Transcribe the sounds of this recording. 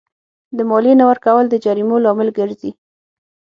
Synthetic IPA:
d̪əmɔlinawəɾkawəld̪əd͡ʒaɾimolɑmɪlɡəɾzi

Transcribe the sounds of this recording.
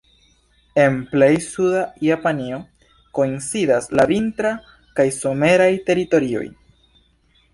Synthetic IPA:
e̞nple̞jsudajapanio̞ | ko̞insidaslavintɾa | kajso̞me̞ɾajte̞ɾito̞ɾio̞̰j

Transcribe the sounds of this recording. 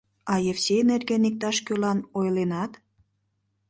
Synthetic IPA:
ɑjefsʲenerɣenik̚t̪ɑʃkølɑnojlenɑt̪

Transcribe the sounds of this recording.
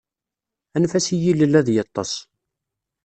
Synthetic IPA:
ænfæsijiləlːæðjɑt̪ˤːɑs

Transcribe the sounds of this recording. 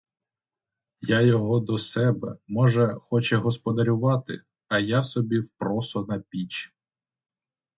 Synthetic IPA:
jajɔɦɔd̪ɔsɛbɛ̰mɔʒɛxɔt͡ʃɛɦɔspɔd̪ɐɾʲʊʋɑt̪ɪ̰ | ɐjasɔbʲiwpɾɔsʊnɐpʲit͡ʃ

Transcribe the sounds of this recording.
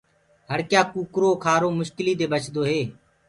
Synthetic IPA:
ɦəɽkjaːkuːkɾoːkʰaːɾoːmʊʃkɪliːd̪eːbət͡ʃʰd̪oːɦeː

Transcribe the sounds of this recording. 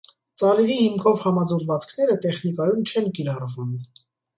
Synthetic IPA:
t͡sɑɾɛɾihimkʰɔvhɑmɑd͡zɔɾvɑt͡skʰn̪ɛɾət̪ɛχnikɑjumt͡ʃʰɛnkiɾɑrvum

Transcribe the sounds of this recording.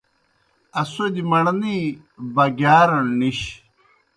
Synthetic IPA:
ɐsued̪imɐɽɐni | bɐɡjaːɾɐniɕ

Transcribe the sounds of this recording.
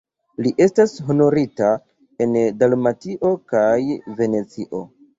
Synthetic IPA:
liʔe̞stasɦo̞no̞ɾita | e̞ndalmatiʔo̞kajve̞ne̞t͡siʔo̞

